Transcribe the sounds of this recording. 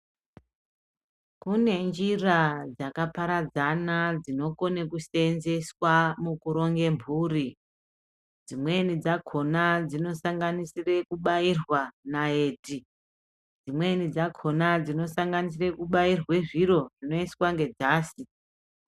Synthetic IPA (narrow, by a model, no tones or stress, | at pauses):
kune̞nd͡ʒirad͡zakapaɾad͡zanad͡zino̞ko̞nekuse̞nze̞swamukuɾo̞ŋɡe̞mbʱuːri | d͡zimwe̞nid͡zakʰo̞nad͡zino̞saŋɡanisire̞kuɓairwanaeːti | d͡zimwe̞nid͡zakʰo̞nad͡zino̞saŋɡanis̬ire̞kuɓairwe̞ʐiɾo̞ʐ̥ino̞iswaŋɡe̞d͡zaːsi